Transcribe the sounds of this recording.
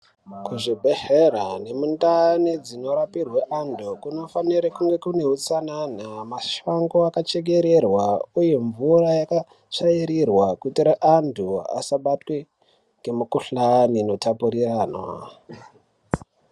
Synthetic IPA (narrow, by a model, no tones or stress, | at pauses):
kuʐibʱe̞ɦeɾane̞mundanid͡zino̞ɾapirweʔandukuno̞faniɾakuŋɡe̞kune̞ɦut͡sananamaʃaŋɡoakat͡ʃe̞ɡe̞ɾerwaujeɱvurajaka | ʂaiɾirwakutiɾeʔandʰua̰saɓatwe | ŋɡe̞mukuɬanino̞tapuɾiraːnwa̰